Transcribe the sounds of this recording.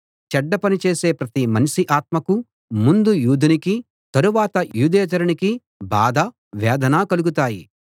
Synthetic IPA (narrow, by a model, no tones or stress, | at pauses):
t͡ʃɛɖːɐpɐnit͡ʃe̞ːse̞ːpɾɐt̪imɐnʃiʔaːt̪̚mɐku | mund̪ujuːd̪ʱɐniki | t̪ɐɾuʋaːt̪ɐjuːd̪eːd͡ʒɐɾɐniki | ba̰ːd̪ɐ | ʋɛːd̪ɐnaːkɐluɡut̪aːji